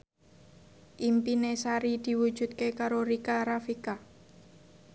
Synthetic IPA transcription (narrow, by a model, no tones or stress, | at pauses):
ʔimpinesaɾid̪̥i̤wud̥ʒ̥ṳt̪̚kekaɾoɾikaɾafika